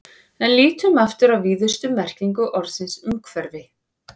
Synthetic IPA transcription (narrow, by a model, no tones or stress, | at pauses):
ɛnliːt̪ʏmaft̪ʏɾawviːðʏst̪ʏmɛr̥ciŋkʏʔɔɾsɪnsʏŋkʰvɛɾvɪ